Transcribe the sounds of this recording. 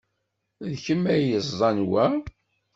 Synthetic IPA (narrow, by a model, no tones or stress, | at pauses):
ðçəmːæjəzˤɑnwæ